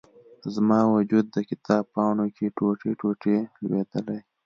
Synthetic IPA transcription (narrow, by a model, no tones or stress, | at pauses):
zmɑwad͡ʒud̪ːəkɪt̪ʰɑːb̚pɑnokʰeʈoʈeʈoʈelwed̪əlaj